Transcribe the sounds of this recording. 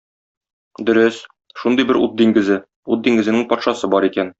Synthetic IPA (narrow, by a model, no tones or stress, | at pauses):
d̪ɵ̆ɾɘs | ʃund̪ɤjbɘɾut̪̚d̪iŋɡɘ̆zɘ | ut̪̚d̪iŋɡɘ̆zɘ̆nɘŋpɒt̪ʃɑsɤbɒɾikæn